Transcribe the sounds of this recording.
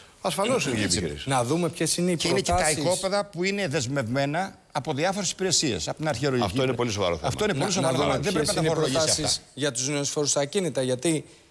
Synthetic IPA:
ɐsfɐnosiipḭsnɐðumepçesineieinecet̪ɐiko̞peðɐpuine̞ðe̞zme̞vme̞nɐː | po̞ðiɐfo̞ɾe̞si̥piɾe̞sie̞̰sɐpot̪inɐɾçeɾolɐ̰foinepo̞lisovɐ̰ɾoθeɐ̰ft̪o̞inepolis̬oɐɾoðebɾeinɐtɐnoɾoloʝisɐiɐsitsɐsʝɐt̪uzneosfoɾust̪ɐcinit̪ɐʝɐt̪i

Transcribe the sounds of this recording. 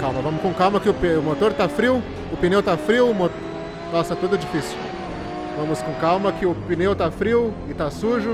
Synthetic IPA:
kawmɐvɐ̃mʊskõkawmɐkɪʊpʊmot̪oɾt̪afɾiw | ʊpinewt̪afɾiwmot̪ | nɔsɛt̪ud̪ʊɛd͡ʒifisʊ | vɐ̃mʊskõkawmɐkɪʊpinewt̪afɾiwɪt̪asuʒʊ

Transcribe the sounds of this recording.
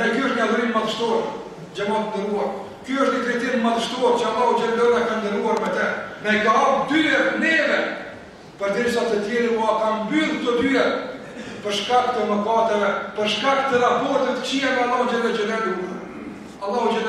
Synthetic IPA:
ɛkyəʃt̪ɲaðɾinmaðəʃt̪ɔɾ | d͡ʑɛmat̪ənd̪əɾuaɾ | kyəʃt̪ɲit̪ɾɛt̪inmaðʃt̪ɔɾt͡ʃəalˠaɦud͡ʒɛd̪əðakand̪ənuaɾmɛt̪ɛmɛɡaab̚d̪yɛnɛvɛ | pəɾd̪iɾsat̪ət̪jɛɾuakambylˠt̪ɔd̪yɛ | pəɾʃkak̚t̪əməkat̪ɛvɛpəɾʃkak̚t̪əɾapɔɾt̪ɛt̪ə̥t͡ɕiɛŋaalˠːaɦud͡ʒɛlɛt͡ʃəd̪ɛnu | alˠːaɦud͡ʒɛ

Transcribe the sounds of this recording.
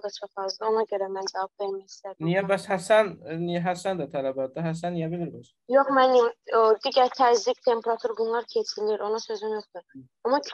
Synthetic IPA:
d̪ɑt͡ʃʰoqɑzlˠɯo̞nɑɟø̞ɾæmænd͡ʒavɑbveɾmæjist̪ænijabæshæsænniɦæsænd̪at̪ʰælæbɑt̪̚d̪aɦæs̬ænːijabilʲiɾbɛs | jo̞χmænimod̪iɟæɾt̪ʰæzict̪ʰe̞mpʰeɾat̪ʰuɾɡunlˠɑɾcʰesʰiliɾʔo̞nusø̞zynjo̞χt̪uɾ | ɑmɑcʰ

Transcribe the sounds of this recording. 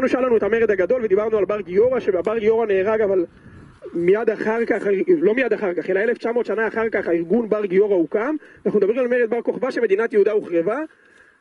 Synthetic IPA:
anuʃalanuet̪hameʁed̪haɡad̪o̞lved̪ibaʁnualbaʁɡijo̞ʁaʃeabaʁɡijo̞ʁaneːʁaɡaval | mijad̪aχaʁkaχailo̞mijad̪aχaʁkaχe̞lae̞left͡ʃamo̞ːtʃanaːχaʁkaχaiʁɡunbaʁɡijo̞ʁaukamanaχnumed̪abʁimalme̞ʁed̪̚baʁko̞χvaʃeme̞d̪inat̪jehud̪auχʁeva

